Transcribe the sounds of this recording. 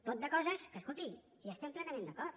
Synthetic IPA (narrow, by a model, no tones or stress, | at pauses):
t̪ot̪̚d̪əkɔzəskəskulˠt̪iŋ | iəst̪ɛmplɛnəmẽnd̪əkɔɾt̪